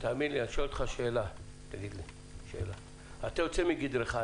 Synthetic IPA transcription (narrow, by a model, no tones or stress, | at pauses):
t̪aːmid̪liaʃolt̪χaʃeːla | t̪aɡid̪li | ʃeeːla | at̪ajot͡semiɡid̪ɾeχa